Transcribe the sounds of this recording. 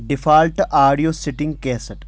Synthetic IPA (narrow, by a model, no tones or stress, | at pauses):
ɖɪfaːlʈaːɾɖijoːsɪʈɪ̃ŋɡ̚keːsəʈ